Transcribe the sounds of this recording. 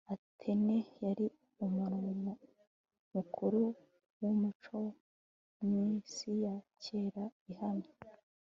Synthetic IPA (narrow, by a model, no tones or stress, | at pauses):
atʰenejaɾi | umuɾumu | mukʰuɾu | wumut͡ʃo̞ | mŋisijace̞ːɾaihame